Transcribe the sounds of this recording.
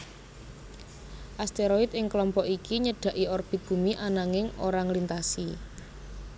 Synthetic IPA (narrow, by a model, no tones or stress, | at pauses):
ʔast̪eɾoit̪̚ɪŋkəlɔmpɔʔikiɲəɖ̥a̤ʔiɔrb̥i̤t̪̚ɡ̥ṳmiʔanaŋɪŋo̰ɾaŋlint̪asi